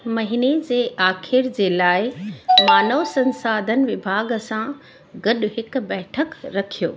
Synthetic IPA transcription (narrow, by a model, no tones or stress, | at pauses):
mɐɦined͡ʑeːʔaːxʰɪɾd͡ʑeːlaːɪmaːnəʋsɐ̃nsaːd̪ʱənɪ̆ʋɪbʱaːɡsã | ɡɐɗʊ̆ɦɪkʊ̆bɛːʈʰəkɾɐkʰijo̰ː